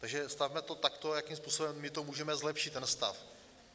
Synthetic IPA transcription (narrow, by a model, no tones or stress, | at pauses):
t̪aɡʒɛst̪avmɛt̪o̞t̪akt̪o̞jakimspuːso̞bɛmːɪt̪o̞muːʒɛmɛzlɛpʃɪt̪ːɛnst̪a̰f